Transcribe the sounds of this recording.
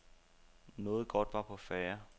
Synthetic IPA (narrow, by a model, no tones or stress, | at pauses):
nɔ̽ːð̞̩ˠɡ̥ɒ̽d̥ʋɑ̈pʰɒ̽fæːɐ